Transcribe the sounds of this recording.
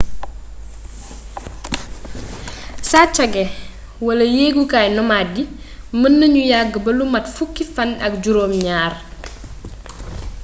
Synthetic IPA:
saːt͡ʃɐɡɛ | wɐlɐjeːɡukaːjnɔmadi | mənːɐɲujaɡːəbɐlumɐtfukːifɐnɐk̚ɟuɾoːmɲaːr

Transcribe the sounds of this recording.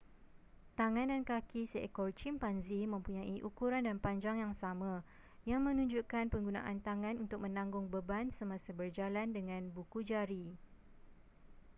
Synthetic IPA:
t̪aŋãndankakisekɔrt͡ʃimpanzimə̃mpuɲãʔiʔukuɾandanpaɲd͡ʒaŋjaŋsamã | jaŋmə̃nũɲd͡ʒuʔkanpəŋɡuna̰ʔant̪aŋãnunt̪ʊk̚mə̃nãŋɡʊŋbəbansəmãsabərd͡ʒalandəŋãnbukud͡ʒaɾi

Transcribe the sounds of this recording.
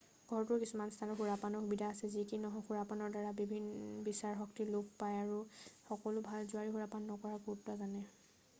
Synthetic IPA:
ɡʱɔɹtʊɹkisumanstʰanɔɦuɹapanɔxubidʱaːsɛzikinɔɦɔxuɹapanɔɹdaɹabibʱinbisaɹxɔk̚tilʊk̚pajaɹuxɔkɔlʊbʱalzʊaɹiɦuɹapanːɔkɔɹaɡutːazanɛ

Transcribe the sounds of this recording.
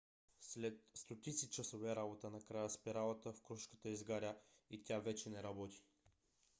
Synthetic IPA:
slɛt̪st̪ot̪it̪sit͡ʃəsovɛɾabot̪ənɐkɾajəspiɾalˠət̪əfkɾuʃkə̥t̪əizɡaɾʲəit̪ʲavɛt͡ʃɛnɛɾɐbɔt̪i̥

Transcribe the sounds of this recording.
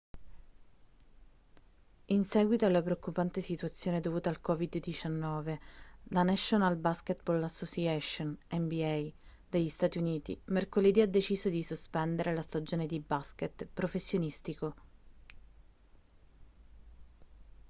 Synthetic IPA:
insɛːɡwit̪oalːapɾeokːupant̪esit̪uat̪sːjoːned̪ovuːt̪alkɔːvid̪d̪ːit͡ʃanːɔːvelanɛʃːonalbasket̪bolːasːosiɛʃonɛmbiɛj | d̪eʎːist̪aːt̪iuniːt̪ḭmerkoled̪iːad̪ːet͡ʃiːzod̪isospɛnd̪eɾʔelast̪ad͡ʒoːned̪ibasket̪pɾofesːjonist̪iko

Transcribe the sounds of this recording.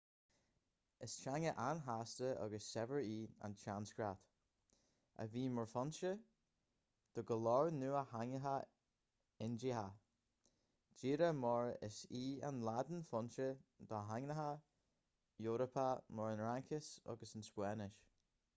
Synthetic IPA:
ɪst͡ʃaŋəʔanɦastəʔɔ̰ɡəsːɛvəɹiːa̰nt͡ʃanskɾat̪ | ə̰viːmɔɹfɔnʃə | d̪̥ɔɡəlɔɹnuːahaŋəɦa | ɪnd͡ʒiha | d͡ʒiːɾəmɔɹɪ̰siːa̰nlad̪ənfɔnʃəd̪̥ɔɦaŋnəɦa | joːɾəpʰamɔɹənɹaŋkʰɪsɔ̰ɡəsənspwɛːnɪʃ

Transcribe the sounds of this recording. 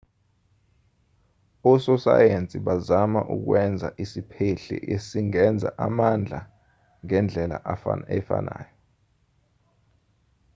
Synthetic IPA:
ɔsɔsa̰jent͡sʼiɓazamaʔuk̬wɛnd͡zʱa̰ʔisipʰeɬɛ̰ʔesiŋɛnd͡zʱa̰ʔamand͡ɮʱa̰ | ŋɛnd͡ɮʱɛla̰ʔafaɛfa̰na̰ːjɔ

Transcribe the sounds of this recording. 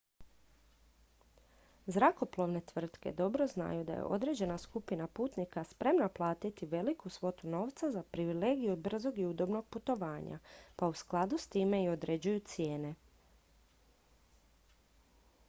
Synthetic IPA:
zɾako̞plˠo̞ʋne̞t̪ʋr̩t̪ke̞̰d̪o̞bɾo̞zna̰jud̪a̰jḛʔo̞d̪ɾe̞ːd͡ʑe̞naskupinapuːt̪nikaspɾe̞mnaplˠaːt̪it̪iʋe̞likusʋo̞t̪uno̞ːʋt̪sazapɾiʋile̞ːɡijubr̩zo̞ɡiud̪o̞bno̞ɡ̚put̪o̞ʋaːɲa̰pausklˠad̪ust̪iːme̞io̞d̪ɾe̞d͡ʑujut̪sje̞ːne̞

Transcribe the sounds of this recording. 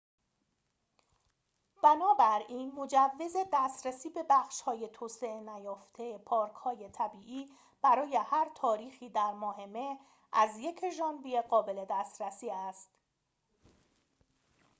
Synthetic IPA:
b̥ænɒːbæɾiːnmo̞d͡ʒævːe̞ze̞d̪æst̪ɾæsiːbe̞bæxʃhɒːje̞t̪ʰoːseʔenæjɒːft̪ʰe̞pʰɒːɾkʰhɒːje̞t̪ʰæbiːʔiː | b̥æɾɒːje̞hæɾt̪ʰɒːɾiːxiːd̪æɾmɒːɦe̞me̞ | ʔæzje̞cʰʒɒːnbijeɢɒːbe̞le̞d̪æːst̪ɾæsiːæst̪

